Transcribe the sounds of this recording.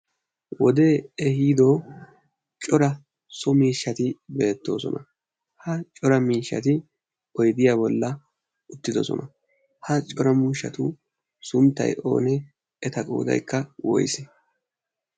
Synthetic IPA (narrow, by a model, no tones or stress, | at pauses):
wɔd̪eːɛhiːd̪o̞ː | t͡ʃʼɔɾɐ | sɔmiːʃːɐt̪ɪbe̞ːt̪ːo̞̰ːsɔ̰nʔɐ | hɐt͡ʃʼɔɾɐmiːʃːɐ̰t̪ɪ | kɔjd̪ɪjaːbɔlːɐ | ʊt̪ːɪd̪ɔsɔ̰nɐ | hɐt͡ʃʼɔɾɐmuːʃːɐ̰t̪ʊ | sʊmt̪ːɐ̰jʔo̞̰ːnɛ | ɛt̪ɐkʼṵːd̪ɐ̰jkʰːɐwɔ̰jsɛ̥